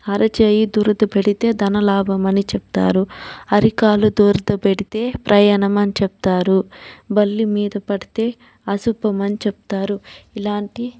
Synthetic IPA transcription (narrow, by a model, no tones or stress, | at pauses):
ɐɾɐt͡ʃeːjid̪uːɾd̪ɐpeɽit̪e̞ːd̪ɐnɐlaːbɐmɐnit͡ʃɛp̚t̪a̰ːɾuɐɾikaːlud̪uːɾd̪ɐpeɽit̪e̞ːpɾʔɐjɐnɐmɐnit͡ʃɛp̚t̪aːɾubɐlːimiːd̪ɐpɐɽit̪e̞ː | ɐsupɐmɐnit͡ʃɛp̚t̪aːɾuilaːɳʈi